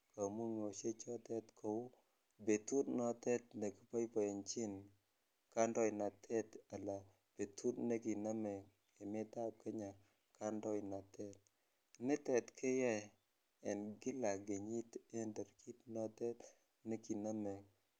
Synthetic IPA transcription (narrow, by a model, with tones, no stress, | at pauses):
ka˨mu˦ŋo˨ʃe˦t͡ʃɔ˦tɛ˦tkʰo˨w | be˨tu˦tnɔ˦tɛ˦t̚nɛ˨kɪ˦pa˦jpɔ˨ɛ˨nt͡ʃɪ˦n | ka˦ndɔ˦jna˨tʰɛ˦ta˨la˨ | b̥e˨tu˦tne˦ki˨na˦mɛ˨ŋ | e˨mɪ˦ta˦p̚kɛ˦ɲa˨ | ka˦ndɔ˦jna˨tʰɛ˦t̚ | nɪ˦tɛ˨tkʰɪ˦jɛ˦ | ɛ˨nɡɪ˦la˨ɡe˨ɲi˦te˦ndɛ˨ɾki˦tnɔ˦tɛ˦t | nɛ˦ki˨na˦mɛ˨ŋ